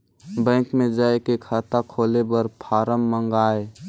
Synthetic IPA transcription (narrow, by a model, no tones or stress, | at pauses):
bə̃ːkmẽd͡ʒaːekekʰaːt̪akʰoːlebəɾpʰaːɾəmːəŋɡaːe